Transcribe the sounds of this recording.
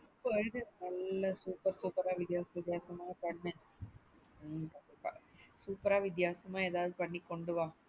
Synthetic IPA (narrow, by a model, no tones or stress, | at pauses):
ɪpːoːɪðɯnɐlːɐsuːpɐɾsuːpɐɾaːʋɪt̪jaːsɐʋɪt̪jaːsɐmaːɐpɐɳːɯ | t̪ɐɳɖɪpːã̰ːsuːpɐɾaːʋɪt̪̬jaːsɐmaːeːðaːʋɐðɯpɐɳːikːɔɳɖɯʋãː